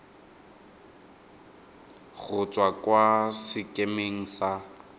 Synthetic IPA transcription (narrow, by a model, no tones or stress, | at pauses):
ɣʊt͡sʼwakwasɪkʼemeŋ̩sa